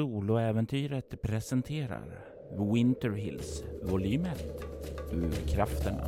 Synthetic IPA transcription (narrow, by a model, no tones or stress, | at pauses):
suːlɔɛːvɛnt̪ʰyːɾət̪pʰɾɛsɛnt̪ʰeːɾa̰ɾ | wɪnt̪əɾɦɪ̰lsvʊlyːmət̪ʉɾkʰɾaft̪ən̰